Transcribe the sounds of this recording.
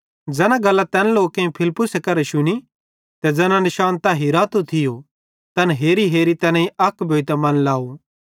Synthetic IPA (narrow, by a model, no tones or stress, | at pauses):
d͡ʒɛːnãɡɐlːat̪ɛːnloːkẽĩpʰɪlpːʊsekɐɾɛʃʊñi | t̪ɛd͡zɛːnãnɪʃaːnt̪aɦiɾaːt̪ot̪ʰɪjo | t̪ɐnɦeːɾiɦeːɾit̪ɛnãĩɐkbʱoːit̪amɐnlaːo